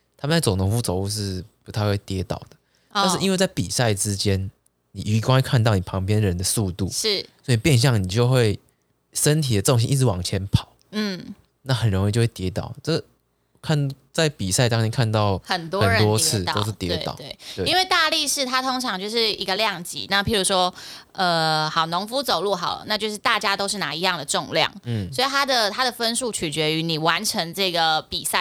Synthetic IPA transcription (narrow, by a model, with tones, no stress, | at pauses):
t̪ʰa˥mə˨nt͡sa˥˩ɪt͡so˨˩ŋt̪ʰʊ˧˥ŋfu˥˩t͡so˨˦ʊu˥˧ʂ̬ɻ̩˥˧pu˧˥t̪ʰa˥˧wwe˥˩t̪jɛ˧˥t̪ɑ̰˨˩ʊd̪ə˩ | ta˥˧nʂ̬̩˥˩ʔi˥nwe˥˧ɪt͡sa˥˩ɪpḭ˨˩sa˥˩ɪʈ͡ʂɻ̩˦t͡ɕjɛ˦n | ni˨˩ʔy˧˥kwŋwe˥˧kʰa˥˧nt̪ɑ˥˩ʊni˨˩pʰɑ˧˥ŋpjɛ˦nɻə˧˦nd̪ə˨su˥˧t̪ṵ˥˩ʂɻ̩˥˩swɔ˧˥i˨˩pjɛ˥˧nɕ̬jɑ˥˩ŋni˨˩t͡ɕjo˥˧ʊxwe˥˩ɪ | ʂə˦nt̪ʰi˨˩də˩ʈ͡ʂə˩o˨ŋɕi˥ʔi˥˧˩ɻ̩˧wɑ˨˩ŋt͡ɕʰjɛ˦˥npʰɑ˨˦ʊn̩˥˩ | na˥˩xə˨˩nɻo˧˦ŋi˥˧t͡ɕo˥˧we˥˩t̪jɛ˧˥t̪ɑ̰˨˩ʊʈ͡ʂə˥ɡ | kʰa˥˧n | t͡sa˥˩ɪpi˨˩sa˥˧ɪt̪ɑ˥ŋt͡ɕʰɛ˥nkʰa˥˧nt̪ɑ˥˩ʊxə˨˩nt̪wɔ˥ə˨˥ɻə˧˦t̪wɔ˦t͡sʰɹ̩˥˨t̪o˥ʊʂɻ̩˥˩t̪jɛ̰˧wt̪ɑ̰˨˦t̪we˥˩ɪ˥˧i˥nwe˥˧ɪt̪a˥˧li˥˧ʂɻ̩˥˩t̪ʰa˥t̪ʰo˥ŋʈ͡ʂʰɑ˧˥ŋt͡ɕjo˥˧ʊʂɻ̩˥˩i˧˥ɡə˧ljɑ˥˨˩ŋt͡ɕḭ˧˦na˥˩pʰi˨˩ɻu˧˥ʂwɔ˥ | ə˧xɑ˨˩ʊnʊ˧˥ŋfu˦˥t͡so˨˩ʊlu˥˩xɑ˨˩ʊ̰˦na˥˧t͡ɕjo˥˧ʊʂ̬ɻ̩˥˧t̪a˥˩t͡ɕja˥t̪o˥ʊʂɻ̩˥˩na˧˥i˧˥jɑ˥˩ŋd̪ə˩ʈ͡ʂʊ˥˧ŋljɑ̰˥˩ŋn̩˥swɔ˧˥i˨˩t̪ʰa˥d̪ə˨t̪ʰa˥d̪ə˨fə˥nʂu˥˩t͡ɕʰy˨˩t͡ɕɥɛ˧˥y˧˥ni˨˩wa˧˦nʈ͡ʂʰə˧˥ŋʈ͡ʂɤ˥˩ɡə˩pi˨˩sa˥˩